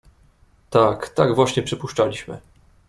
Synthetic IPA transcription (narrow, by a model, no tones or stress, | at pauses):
t̪akt̪aɡvwaɕɲɛpʂɘpuʂt͡ʂalʲiɕmɘ̰